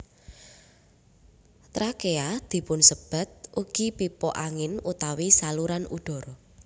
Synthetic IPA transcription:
t̪ɾakead̪̥i̤pʊnsəb̥a̤t̪̚ʔuɡ̥i̤pipɔʔaŋɪnut̪awisaluɾanuɖ̪̥ɔ̤ɾɔ

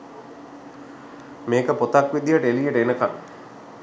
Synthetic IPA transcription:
meːkəpot̪akʋid̪ijəʈəelijeʈəenəkan

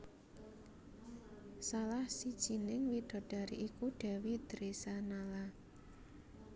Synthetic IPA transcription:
salahsid̥ʒ̥i̤nɪŋwid̪̥ɔ̤ɖ̥a̤ɾḭʔikuɖ̥ɛ̤wid̪̥ɾesanala

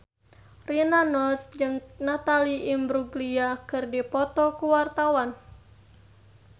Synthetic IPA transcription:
rinanɔsd͡ʒɨŋnat̪aliimbɾuɡliakɨrdipɔt̪ɔkuwart̪awan

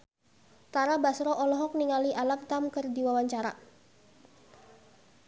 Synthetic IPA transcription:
t̪aɾabasɾɔʔɔlɔɦɔk̚niŋaliʔalamt̪amkərdiwawaɲt͡ʃaɾa̰

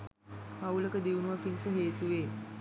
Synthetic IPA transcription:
awləkəd̪iunuʋapinsəɦeːt̪uʋe

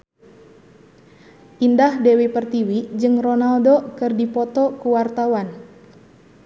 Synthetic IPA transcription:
ʔindahdɛwipərt̪iwid͡ʒɨŋrɔnaldokɨrdipɔt̪ɔkuwart̪awan

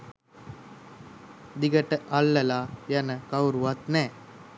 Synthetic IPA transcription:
d̪iɡɐʈːɐʔɐlːɐlaːjɐnɐkɐwɾuʋɐt̪nɛː

